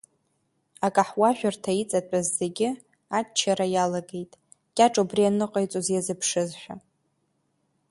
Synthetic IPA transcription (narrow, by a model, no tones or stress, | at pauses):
akʼaħwaʒᶣartʰait͡sʼatʷʼazːe̞ɡʲɪ | at͡ʃʰaɾajalaɡe̞jtʼ | kʲʼaʈ͡ʂʼubrianɨqʼajt͡sʼozjazɨpʰʂɨzħʷᶣa